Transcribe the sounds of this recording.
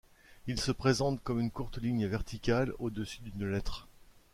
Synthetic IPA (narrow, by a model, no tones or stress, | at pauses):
ilsəpχezɑ̃t̪kɔmynkuʁt̪liɲvɛʁt̪ʰikʲalod̪əsyd̪ynlɛt̪χ